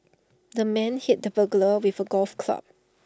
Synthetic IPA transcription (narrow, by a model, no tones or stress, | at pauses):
dəmɛ̃nhit̚dəbəɡləwivəɡɔlfkʰla̰p̚